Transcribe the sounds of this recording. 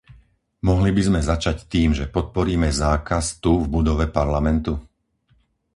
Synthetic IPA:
mɔɦlibizmɛzat͡ʃact̪iːmʒɛpɔt̪̚pɔɾiːmɛzaːkast̪uvbud̪ɔʋɛpaɾlamɛnt̪u

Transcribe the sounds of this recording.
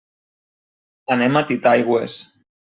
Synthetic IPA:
anemat̪it̪ajɣwḛs

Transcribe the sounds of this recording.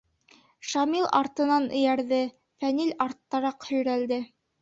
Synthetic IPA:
ʃɑmilˠʔɑɾt̪ɤ̆nɑnɘ̆jæɾðɘ | fænilʲɑɾt̪ːɑɾɑqhɵ̆jɾæld̪ɘ

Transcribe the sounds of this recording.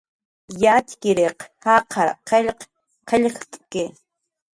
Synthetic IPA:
jat̪kɪɾeqhaqʰɑɾqʰeʎq | qʰeʎχt̪ʼkɪ

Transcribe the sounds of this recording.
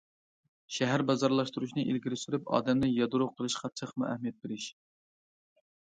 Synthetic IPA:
ʃɛɦæɾbɑzɑɾlˠɑʃt̪uɾuʃnɨʔilɡʲiɾɪsyɾypɑ̰ːd̪ɛmnɪjɑd̪uɾuqʰəlˠɨʃqʰɑt͡ʃʰəχʰmuʔæ̰hmijɛt̪̚beɾɪʃ

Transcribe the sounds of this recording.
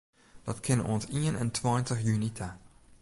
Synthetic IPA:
d̥ɑtkʰɪnṵənsiənɛ̰ntʰwaːntəxjynitʰa

